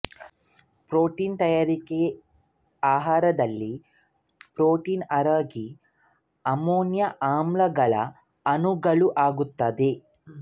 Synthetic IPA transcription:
pɾoːʈiːnt̪ɐjaːɾike | aːɦaːɾɐd̪ɐlːi | pɾoːʈiːnɐɾaːɡi | ɐmoːnjɐʔaːmlɐɡɐlɐ̰ | ɐnuɡɐɭuʔaːɡut̪ːɐd̪e

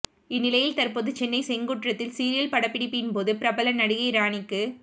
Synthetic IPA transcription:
ɪnːɪlɐjɪlt̪ɐrpoːðɯt͡ʃɛnːɐɪsɛŋɡuːʈrɐt̪ːɪlsiːɾɪjɐlpɐɽɐpːɪɽɪpːɯɪnpoːðɯpɪɾɐbɐlɐnɐɽɯɣɐɪɾaːɳɪkːɯ

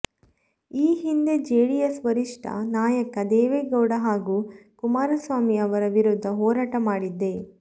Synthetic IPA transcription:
iːɦind̪e̞d͡ʒeːɽijɐsʋɐɾiʂʈɐ̰naːjɐkɐd̪ɛːʋeːɡɐwɽɐɦaːɡuːkumaːɾɐsʋaːmiɐʋɐɾɐʋiɾud̪ʱːɐɦɔːɾaːʈɐmaːɽid̪ːe̞

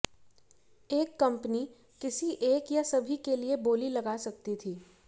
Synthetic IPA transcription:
eːkːɐ̃mpni | kɪsiʔeːkjasɐbʱikelieboːlilɐɡaːsɐk̚t̪it̪ʰiː

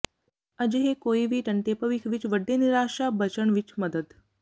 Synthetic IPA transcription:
ɐd͡ʒɦekoːiʋiːʈɐnʈ̪epəʋikʰʋit͡ʃʋəɖːeniɾaːʃabət͡ʃəɳʋit͡ʃmɐd̪əd̪

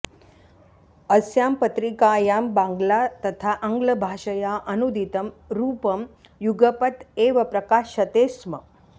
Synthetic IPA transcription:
əsjampət̪ɾikajaːmbãŋɡlat̪ɐt̪ʰaʔəŋɡləbʱaʂəjaʔɐnud̪ʱit̪əmɾuːpəm | juɡəpət̪eʋəpɾɐkaːʃɐt̪esmə

